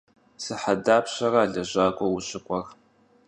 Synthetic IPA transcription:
sɨħadaːpɕɐraːɮɐʑaːkʷʼɔwʊɕʼɪkʷʼɔr

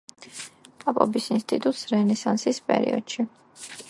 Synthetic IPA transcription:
pʼapʼɔbisinst̪ʼit̪ʼut̪ʼsɾɛnɛsansispʼɛ̰ɾḭɔ̰d̪̥ʃi

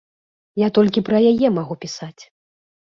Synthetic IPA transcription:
jat̪ɔlʲkʲipɾɐjajɛmaɣupʲisat͡sʲ

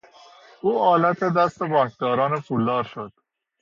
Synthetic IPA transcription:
uːʔɒːlæt̪ʰe̞d̪æst̪ebɒːŋkʰd̪ɒːɾɒːnepʰulːɒːɾʃod̪̥

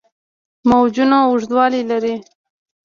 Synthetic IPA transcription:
mawd͡ʒunaʊʐd̪wɑlilaɾi

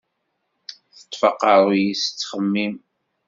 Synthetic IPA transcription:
θə̥t̪ˤːfɑqɑɾˤjisə̥t͡sːχəmːim

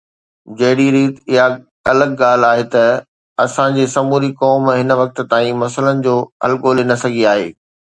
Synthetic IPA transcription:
d͡ʑɐɦɪɽiɾiːt̪ɪɦa | ɐləɡɡaːl̤aːɦet̪ɐ | ɐsãd͡ʑeːsɐmuːɾikɔːmɦɪnʋɐk̚t̪̆t̪aːĩmɐsələnɪ̆d͡ʑoːɐ̰lkoːlenɐsɐɡʱiaːɦḛː

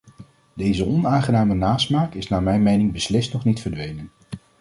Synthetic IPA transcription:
dejzəɔnaːŋχənaːmənaːsmaːkɪsnaːmɛjnmejnɪŋbəslɪstnɔχnitfəɹdʋejnən

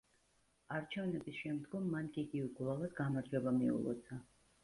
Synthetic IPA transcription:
aɾt͡ʃʰɛvnɛbisʃɛmd̪ɡɔmːankʼiːɡivɛɡlˠavad̪ɡamaɾd͡ʒɛbamiṵlˠɔ̰t̪sʰa

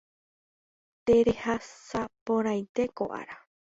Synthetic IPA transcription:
t̪eɾehasapõɾãj̃t̪e̞ko̰ʔa̰ɾa

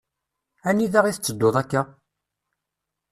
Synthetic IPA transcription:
ænːiðaʁiθət͡sːəd̪ːoðˤækːa

